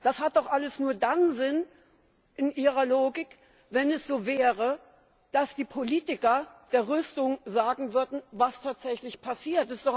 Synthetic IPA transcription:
d̥ashat̚d̥ɔχʔaləsnuːɐdanzɪn | ʔɪnʔiːʁ̞ɐloːɡɪk | vɛnɛsz̥oːvɛːʁə | d̥asd̥iːpʰoliːtɪkɐd̥eːɐʁʏstʊŋzaːɡŋ̩vʏɐdn̩vastʰaːtz̥ɛçlɪçpʰasiːɐtɪstd̥ɔχ

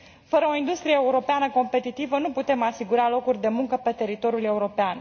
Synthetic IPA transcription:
fəɾəo̞ind̪ust̪ɾijeeuɾo̞peanəko̞mpe̞t̪it̪ivənuput̪e̞masiɡuɾalo̞kurʲd̪e̞muŋkəpe̞t̪e̞ɾit̪o̞ɾjule̞uɾo̞pean

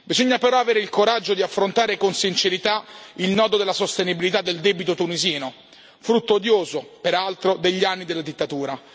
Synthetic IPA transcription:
bizoɲːapeɾɔaveːɾeilkoɾad͡ʒːod̪iafːɾont̪aːɾekonsint͡ʃeɾit̪ailnɔːd̪od̪elːasost̪enibilit̪ad̪ːeld̪ɛbit̪ot̪uniziːno | fɾut̪ːoːd̪joːzopeɾalt̪ɾod̪eʎːanːid̪elad̪it̪ːat̪uːɾa

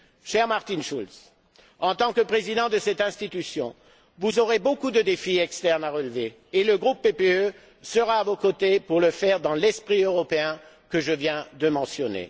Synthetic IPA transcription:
ʃɛʁmaʁt̪inʃuls | ɑ̃t̪ɑ̃kəpχezid̪ɑ̃d̪əsɛt̪ɛ̃st̪it̪ysjɔ̃ | vuzoʁebokud̪əd̪efiɛkst̪ɛʁnaʁəlveː | ləɡʁupːepeø | səʁaːvokot̪epuʁləfɛʁd̪ɑ̃lɛspχiøʁɔpeɛ̃ | kəʒəvjɛ̃d̪əmɑ̃sjɔnḛ

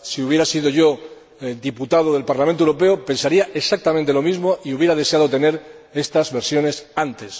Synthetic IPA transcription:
siuβje̞ɾasiðo̞ʝo̞ | d̪iput̪að̞oðelpaɾlamẽnt̪owɾo̞pe̞ope̞nsaɾiaʔe̞sak̚t̪amẽnt̪e̞lo̞mizmoʔiuβje̞ɾaðe̞seaðo̞t̪e̞ne̞ɾ | e̞st̪azβe̞ɾsjo̞ne̞sant̪e̞s

